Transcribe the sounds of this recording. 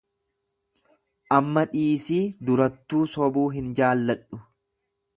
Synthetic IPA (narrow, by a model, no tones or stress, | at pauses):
ʔɐmːɐᶑiːsiːd̪ʊɾɐt̪ːuːsɔbuːɦɪnd͡ʒaːlːɐᶑʊ